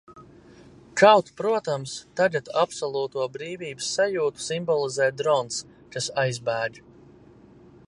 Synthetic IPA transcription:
kawt̪pɾuɔt̪amst̪aɡat̪apsɔlˠuːt̪uɔbɾiːvʲiːbɨ̥sːajuːt̪u̥simbɔlˠizɛːt̪̚d̪ɾɔns | kasajzbæːɡ

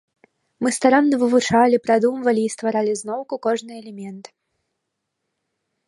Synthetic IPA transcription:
mɨst̪aɾanːɐvɨvut͡ʂalʲipɾad̪umvɐlʲiːst̪vaɾalʲiznɔwkukɔʐnɨɛlʲɛmʲɛnt̪

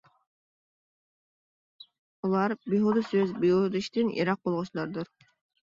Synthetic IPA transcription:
ulˠɑɾbiɦud̪usøzbiud̪iʃt̪ɪnjʔḭɾɑq̚bolˠʁʊʃlˠɑɾd̪uɾ

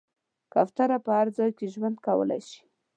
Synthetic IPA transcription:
kaft̪aɾapəhaɾd͡zɑjkeʒwand̪kawə̰la̰jʃi̥

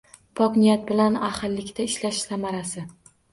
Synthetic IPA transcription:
pʰɒqnɪijat̪̚bɪlanaχɨlːɪkʲt̪ʰaɪʃlaʃsamaɾasɪ

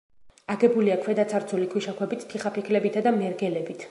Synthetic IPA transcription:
aɡɛbuliakʰwɛd̪at̪sʰaɾt̪sʰulikʰwiʃakʰwɛbit̪ʰːiχapʰikʰlɛbit̪ʰad̪amɛɾɡɛlɛbit̪ʰ

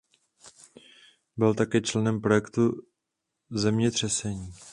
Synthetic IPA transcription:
bɪlt̪akɛːt͡ʃlɛnɛmpɾo̞jɛkt̪u | zɛmɲɛt̪r̝̥ɛsɛɲiː

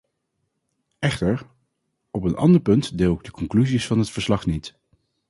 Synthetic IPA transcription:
ʔɛχtəɹ | ɔpənʔɑ̰ndəɹpɵntdɪːlˠɪɡ̚dəkɔŋklyzisfɑnɦətfəɹslɑχnit

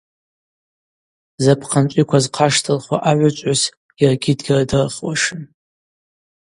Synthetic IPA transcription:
zapʰqʰant͡ʃʷʼikʷazqʰaʂtʰɨlχwaʔaʕʷat͡ʃʷʼas | iraɡʲɪdɡʲaradɨrχwaʂɨn

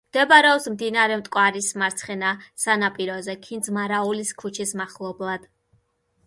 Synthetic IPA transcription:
md̪̥ɛbaɾɛɔpsmd̪inaɾɛmt̪ʼkʼwaɾismaɾt̪sʰχɛnasanapʼiɾɔzɛkʰind̪zmaɾauliskʰut͡ʃʰismaχlˠɔblˠad̪̥

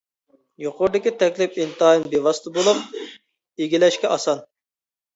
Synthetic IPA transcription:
joqʰʊɾd̪ɪkʲit̪ʰɛkʲlɪpint̪ɑɑinbewɑst̪ʰɨbolˠup̚ | eɡʲilɛʃkʲɛʔɑsɑn

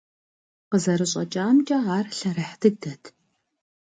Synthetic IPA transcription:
qəzɐɾɨɕʼɐt͡ʃʼaːmt͡ʃʼɐaːrɬɐɾɐħtʰɨɡ̚dɐtʰ

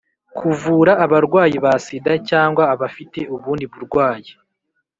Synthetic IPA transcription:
kʰuvuːɾaːβaɾɡwaːjiβasidacaːŋɡwaːβafite̞uβuːndiβuɾɡwaːji

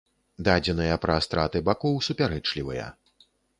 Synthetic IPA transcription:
d̪ad͡zʲɛnɨjɐpɾɐːst̪ɾat̪ɨbakɔwsupʲaɾɛt͡ʂlʲivɨjɐ̰

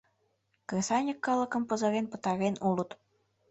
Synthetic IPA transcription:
kresɑnʲəkːɑləkəmpə̆zə̆ɾenpə̥̆t̪ɑɾenʔulut̪

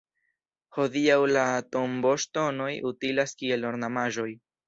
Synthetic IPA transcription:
ho̞diawlato̞mbo̞ʃto̞no̞jʔutilaskie̞lːoɾnamaʒo̞j

